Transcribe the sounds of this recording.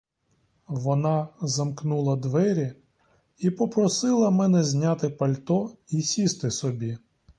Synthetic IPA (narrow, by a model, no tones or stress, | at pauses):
ʋɔnɑzɐmknulˠɐd̪ʋɛɾʲi | ipɔpɾɔsɪlˠɐmɛnɛzʲnʲat̪ɪpɐlʲt̪ɔisʲist̪ɪsɔbʲi